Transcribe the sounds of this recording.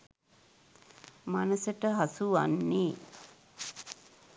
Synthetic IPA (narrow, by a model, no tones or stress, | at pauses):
manəsəʈəɦasua̰nːeː